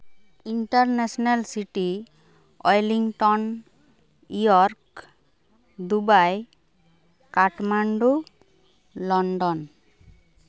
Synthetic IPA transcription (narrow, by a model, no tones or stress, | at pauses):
iɳʈaɾnɛsɔnalsiʈi | ɔjliŋʈɔn | ujɔɾk | d̪ubaj | kaʈmaɳɖu | lɔɳɖɔn